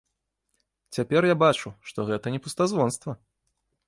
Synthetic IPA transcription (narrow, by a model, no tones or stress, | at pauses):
t͡sʲapʲɛrjabat͡ʂuʂt̪ɔɣɛt̪ɐnʲɛpust̪azvɔnst̪vɐ